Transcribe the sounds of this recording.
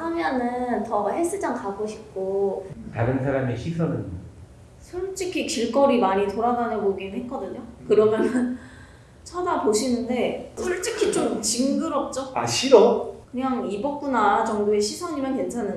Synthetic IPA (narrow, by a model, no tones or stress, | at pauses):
hamjʌnɯntʌhes͈ɯd͡ʑaŋkaɡoɕʰi̥p̚k͈otaɾɯnsʰaɾameɕʰisʰʌnɯɲ | sʰuɭt͡ɕ͈ikʰikiɭk͈ʌɾimaɲitoɾaɡanɯnboɡinɯnɦet̚k͈ʌdɯɲokɯɾʌmjʌnɯn | t͡ɕʰʌdapoɕʰinɯnde̞sʰuɭt͡ɕ͈ikʰit͡ɕomt͡ɕiŋɡɯɾʌp̚t͡ɕ͈oa̰ɕʰiɾʌkɯɲaŋibʌk̚k͈unaɾad͡ʑʌŋdoeɕʰisʰʌɲimjanke̞nt͡ɕʰanːɯ